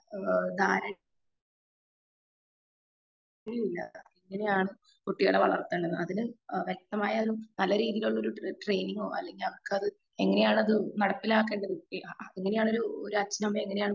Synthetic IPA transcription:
d̪aːɾɐ | iɾuilːɐ̰eŋːɐne̞jaːɳɨ | kuʈːijoːɽeʋɐɭɐ̰rt̪ːɐːɳɖenːɐðinɨʋjɐk̚t̪ɐmaːjɐɐðilumnɐlːɐɾiːðijiluɭːɐo̞ɾuʈre̞jniŋɡo̞ːɐ̰lːe̞ŋɡilɐʋɐrkɨɐðɨ | e̞ŋːɐne̞jaːɳɐðɨnɐɽɐpːilaːk̬ːe̞ːɳɖɐðɨeŋːɐnejaːɳoɾuoɾuɐt͡ɕːinɐmɐeŋːɐne̞jaːɳ

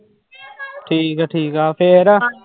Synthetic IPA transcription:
ʈʰiːkaʈʰiːkaːpʰeːɾ

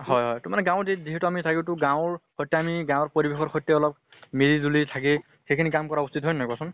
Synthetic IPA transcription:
hɔjɦɔjtʊmanɛɡãwziziɦɛtuamitʰakitʊɡãwɹxɔjtːɛamiɡãw̃ɹpoɹibexɔɹxɔjtːɛɔlɔp̚ | meɾizulitʰak̬e | xekʰinikamkɔɹaustitɦɔjnajkasɔn

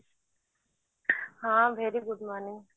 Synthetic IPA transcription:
hãːbʱeːɾiɡʊd̪ʱmaːnin

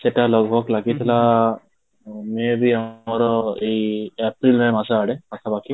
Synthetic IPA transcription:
sɛtalɔɡʱɔklaɡit̪ʰila | mɛbiaɔɾɔejepɾilmamasaɽɛak̪ʰabakʰi

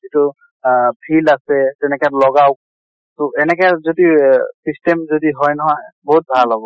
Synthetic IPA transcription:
zitu | bʰilasɛtɛnɛkɛlɔɡawk | tɔɛnɛkɛzodisistɛmzodiɦɔjnɔɦajbɔɦut̚bʱalɔbɔ

